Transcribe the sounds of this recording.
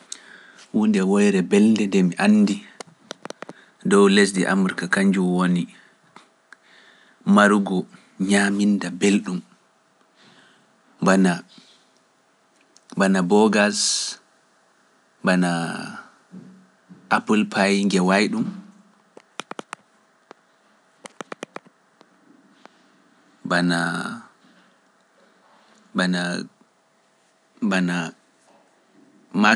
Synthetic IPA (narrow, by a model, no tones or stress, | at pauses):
wundɛwɔjɾɛbɛlndɛndɛmiʔanːdi | dɔwles̬diʔa̰muɾikakaɲd͡ʒumwoni | maɾuɡɔ | ɲamindabelɗum | bana | banabɔɡas | bana | ʔapulpʰajŋɡɛwajɗum | bana | bana | bana | ma